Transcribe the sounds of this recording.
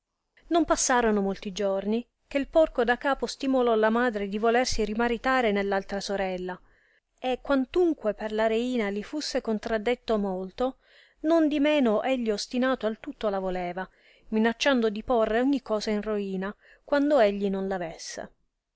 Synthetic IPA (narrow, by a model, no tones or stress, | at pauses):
nompasːaːɾonomolt̪id͡ʒorni | k̟eilpɔrkod̪akːaːpost̪imolɔlamaːd̪ɾed̪ivolersiɾimaɾit̪aːɾenelːalt̪ɾasoɾɛlːa | ekːwant̪uŋkweperlaɾeiːnalifusːekont̪ɾad̪ːet̪ːomolt̪o | nond̪imɛːnoʔeʎːiost̪inaːt̪oalt̪ut̪ːolavolɛːva | minat͡ʃːand̪od̪iporːeoɲːikːɔːzainroiːna | kwand̪oeʎːinonlavesːḛ